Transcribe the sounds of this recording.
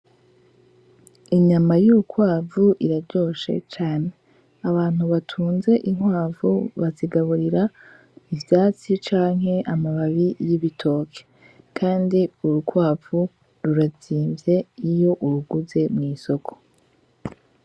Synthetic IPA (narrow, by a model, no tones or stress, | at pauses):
iɲamajuɾukwaːvuʔiɾaɾɟo̞ːʃe̞̰t͡ʃaːne̞ | aβaːn̥huβatʰuːnze̞ʔiŋwaːvṵβaziɡaβuɾiɾa | ivjaːt͡sit͡ʃaːŋɦe̞ʔamaβaβijiβitʰo̞ːkʰe̥ | kʰaːndiuɾukwaːvu | ɾuɾaziːmvje̞ijo̞ʔuɾuɡuze̞mŋiːso̞kʰo̞̥